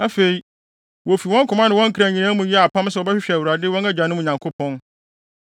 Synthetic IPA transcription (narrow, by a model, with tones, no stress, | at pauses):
a˦fe˨i˨˦ | wo˨fi˨wɔ̃˦ŋ̩˦kʰʊ˨mã˦nɪ̃˨wɔ̃˦ŋ̩˦kʰɾã˨ɲĩ˨nã˦mũ˨jɛ˦a˨pʰã˦m˦sɛ˨ɔ˨bɛ˦ɕᶣɪ˦ɕᶣɛ˨æ˨wu˨ɾa˨dɪ˦wɔ̃˦næ˦d͡ʑᶣa˨nʊ̃˦m̃ũ˨ɲã˨ŋkʰʊ˦pʰɔ̃˦n